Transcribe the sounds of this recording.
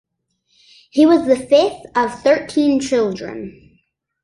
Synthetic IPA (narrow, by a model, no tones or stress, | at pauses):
hiwʌzðɨfɪθʌv̥θɜ˞tʰĩnt͡ʃʰɪlˠdɹɨ̰̃n